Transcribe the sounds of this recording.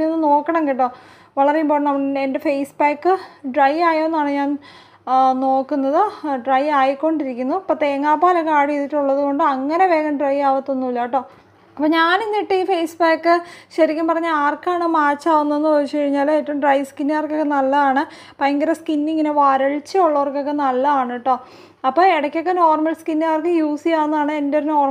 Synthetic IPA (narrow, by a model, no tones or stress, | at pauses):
onːɨno̞ːkːɐɳɐmeŋɡiʈːoː | ʋɐɭɐrejumbo̞ːɻnɐmende̞fejsbaːkːɨɖrɐjaːjoːnːaːɳɨɲaːn | no̞ːkːunːɐðɨɖrɐjaːjikːo̞ɳɖiɾikʲːunːuɐpːot̪eːŋːaːpːaːlɐkaːɽijeðitːuɭːɐðuko̞ɳɖɨɐŋːɐne̞ʋe̞ːɣɐmɖrɐjaːʋɐt̪ːonːuʋilːaːʈːo̞ː | ɐpːoːɲaːninːiʈːɨiːfejsbaːkːɨɕɐɾikʲːumpɐrɐɲːɨaːrkːaːɳɨmaːt͡ɕːaːʋunːuenːɨpɐt͡ɕːɨkɐɻiɲːaːloːetːɐmʈrɐjskinːaːrkːo̞kːenɐlːɐðaːɳɨ | pɐjŋɡɐɾɐskinːiŋːɐneʋaːɾɐɭt͡ɕːɨoɭːɐʋɐrkːo̞kːe̞nɐlːɐaːɳːiʈːo̞ː | ɐpːo̞ːeɽɐkʲːo̞kːeno̞ːrmɐlskinːaːrkːɨjuːsijaːnːaːɳɨe̞ndoɾuno̞ːr